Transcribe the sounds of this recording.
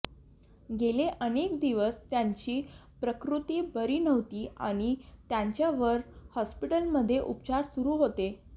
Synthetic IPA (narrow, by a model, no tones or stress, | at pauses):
ɡeleʔənekd̪iʋəst̪jaɲt͡ɕiːpɾəkɾut̪iːbəɾiːnəʋt̪iːa̰ɽ̃it̪jaɲt͡ɕjaʋəɾhɔspiʈəlməd̪ʱːjeʔupt͡ɕaɾsuɾuːɦot̪e